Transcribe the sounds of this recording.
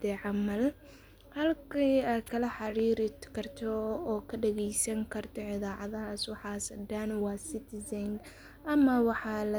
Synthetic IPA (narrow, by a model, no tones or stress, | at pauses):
ɛʕɑmɐl | hɐlkʰiːaːd̪kʰɐlɐħɑɾiːɾɪt̪kʰɐrt̪ʰɔːkʰɐɖɛɣɛjsɐŋkʰɐrt̪ʰɔʕɪðaːʕɑðɐɦaːswɑħɑːsɐd̪anwɑːsɪt̪ʰɪzɪŋɡ | ʔɐmɐwɑħɑːlɐ